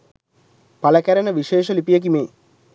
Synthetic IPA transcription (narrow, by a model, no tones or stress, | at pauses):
paləkæɾənəʋiʃeːʃəlipijək̬imeː